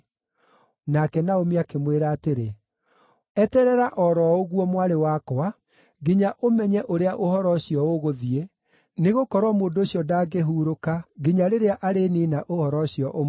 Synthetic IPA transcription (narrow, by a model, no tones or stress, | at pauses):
nakɛnaomiakemweɾaːteɾe | ɛtɛɾɛɾaʔɔɾɔoɣwɔmwaɾewakoa | ɡiɲaʔomɛɲɛʔoɾeaʔohɔɾɔɕiɔoɣoðie | neɣokɔɾwɔmoːndoːɕjɔdaːɡeɦuːɾokaɡiɲaɾeɾeaʔaɾeninaʔohɔɾɔɕiɔʔom